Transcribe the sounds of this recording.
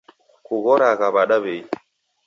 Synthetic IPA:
kuɣɔɾaɣaβaɗaβei

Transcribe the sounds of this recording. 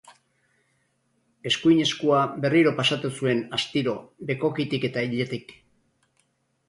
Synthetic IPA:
e̞skuiɲe̞skuabe̞riɾo̞pasat̪usue̞nast̪iɾo̞be̞ko̞kit̪ike̞t̪aiʎe̞t̪ik

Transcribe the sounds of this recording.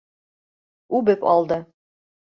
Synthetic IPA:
ʉbɘpɑ̰lˠd̪ɤ

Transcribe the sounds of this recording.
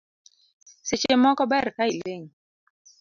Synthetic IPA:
set͡ʃemɔkɔbɛɾkaileŋ

